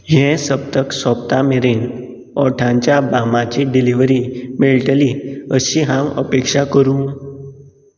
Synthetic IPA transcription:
ɦẽsəp̚t̪əksɔpt̪ameɾen | ɔʈʰãɲt͡ɕjabamat͡ɕiɖiliʋɾimiɭʈəliəɕiɦãwə̰pekʂakəɾũ

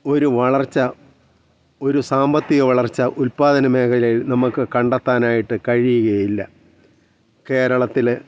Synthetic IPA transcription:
o̞ɾuʋɐɭɐrt͡ɕːɐ | o̞ɾusaːmbɐt̪ːiɣɐʋɐɭɐrt͡ɕːɐʔulpaːd̪ɐnɐme̞ːkʰɐlɐjilnɐmukːɨkɐɳɖɐt̪ːaːnaːjiʈːɨkɐɻijuɣɐjilːɐ | ke̞ːɾɐɭɐt̪ːil

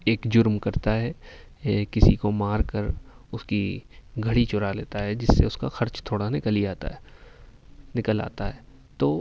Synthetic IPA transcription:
eːkd͡ʒʊɾmkɐɾt̪aɦɛ | kɪsikomaːɾkəɾ | ʊskiɡʱɐɽit͡ʃʊɾaleːt̪aɦɛd͡ʒɪsːḛʊska̰xɐɾt͡ʃt̪ʰoːɽanɪkəliaːt̪a̰ɦɛ | nɪkəla̰ːt̪aɦɛː | t̪oː

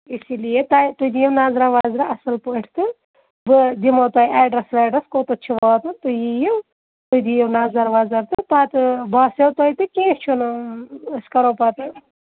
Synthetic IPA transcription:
isilijet̪ajt̪ud̪ijewnaːzɾaʋaːzɾaɐsɨlpəːʈʰt̪ɨ | bɨd̪imɐt̪ɐːjiaːɖɾɐsʋaːɖɾɐskoːt̪ɐt͡ʃʰiʋaːt̪ɨnt̪ujijiw | t̪ud̪ijewnaːzɐɾʋaːzɐɾt̪ɨpaːt̪ɨbaːsjɐwt̪ɐjt̪ɨkẽːst͡ʃʰunɨɨskɐɾoːpaːt̪ɨ

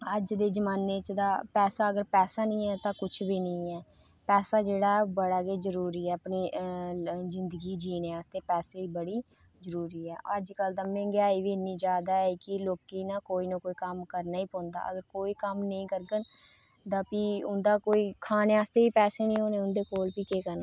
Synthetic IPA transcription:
əd͡ʒd̪eːd͡ʒəmaːnet͡ʃd̪aːpɛːsaːəɡəɾpɛːsaːnĩːɛːt̪ãːkʊt͡ʃʰbiːnĩːɛː | pɛːsaːd͡ʒeːɽaːbəɽaːkeːzəɾuːɾiːɛːpɳiː | zɪnd̪əɡiːd͡ʒiːneːaːst̪eːpɛːseːiːbəɽiː | zəɾuːɾiːɛːʔəd͡ʒkəld̪ãːmẽːɡɪaːiːʋiːnːiːd͡ʒaːd̪aːɛːkɪloːkiːnãːkoːiːnõːkoːiːkəmkəɾnaːiːpɔ̃ːnd̪a̰ːʔəɡəɾkoːiːkəmnəĩːkəɾɡən | d̪ãːpiːʊnd̪aːkoːiːkʰaːneːaːst̪eːiːpɛːseːnĩːɦoːneːʊnd̪eːkoːlpiːkeːkəɾna

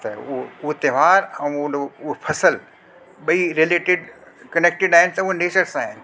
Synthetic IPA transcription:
t̪ɐuouɦet̪eʋaːɾɛ̃unouɦepʰɐsəl | ɓɐiɾeleːʈɪɖkɐneːk̚ʈɪɖaːɦɪnɪ̆t̪ɐuɦeneːt͡ɕəɾsaːɦɪnɪ̆

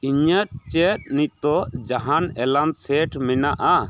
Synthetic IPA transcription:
iɲət̪̚t͡ʃɛt̪̚nic̚ˀt̪ɔʔd͡ʒaɦanɛlansɛʈʰmɛnaʔa

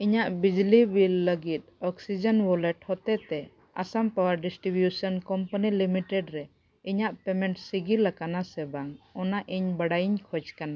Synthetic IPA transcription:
iɲaʔbid͡ʒlibilːəɡit̪̚ɔksid͡ʒɔnbɔlɛʈhɔt̪ɛt̪ɛ | a̰sampawaɾɖisʈɾibjusɔnkɔmpanilimiʈɛɖɾɛ | iɲaʔpɛmɛɳʈsiɡiɾlakanasɛbaŋɔnaʔiɲbaɽajiɲkʰɔd͡ʒkana

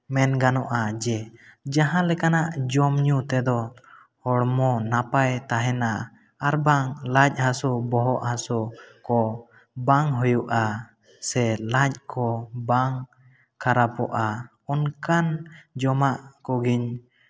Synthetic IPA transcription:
mɛnɡanɔʔad͡ʒɛd͡ʒaɦãlɛkanaʔd͡ʒɔmɲut̪ɛd̪ɔ | hɔɽmɔnapajt̪aɦɛnaʔ | aɾbaŋlac̚ˀhãsubɔɦɔʔhãsɔkɔ | baŋɦujuʔa | sɛlac̚ˀkʰɔbaŋ | kʰaɾapɔʔa | ɔnkand͡ʒɔmaʔkɔɡiɲ

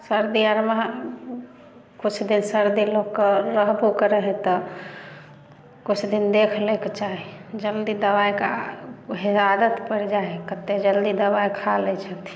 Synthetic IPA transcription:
səɾd̪iəɾma | kut͡ʃʰd̪insəɾd̪ilokeɾəɦbukəɾəɦẽt̪ɔ | kut͡ʃʰd̪ind̪ekʰleket͡ʃaɦid͡ʒəld̪id̪əwajkaɦiad̪ət̪pəɾd͡ʒaekət̪ːed͡ʒəld̪id̪əwajkʰalɛt͡ʃʰət̪ʰ

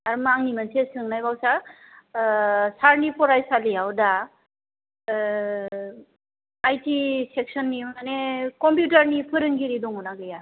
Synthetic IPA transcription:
aɾmaŋnimansesɯŋnajbawsa | saɾnipɔɾajsalijawda | jtiseksɔnːiunanekɔmpjutaɾnipʰɯɾɯŋɡiɾidɔŋunaɡɯja

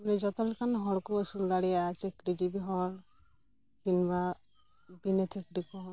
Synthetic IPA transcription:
nid͡ʒɔt̪ɔlkanɦɔɽkuəsuld̪aɽijaat͡ʃekɖid͡ʒibiɦɔɽ | kinba | binet͡ʃekɖikɔɦɔ

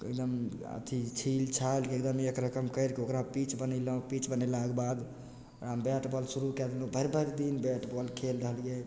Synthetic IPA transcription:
ḛkd̪əm | ə̰t̪ʰit͡ʃʰilt͡ʃʰalkiekd̪əmekɾəkəmkəjɾkiokɾapit͡ʃbənilpit͡ʃbənəlaɡbad̪ | ɾambɛʈbɔlsuɾukɛd̪elõbʱəɾbʱəɾd̪inbɛʈbɔlkʰelɾəɦəlije

